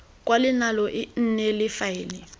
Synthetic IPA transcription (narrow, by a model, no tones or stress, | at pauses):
k̬ʼwalɪnalɔʔin̩nɛlɪfaiːnɛ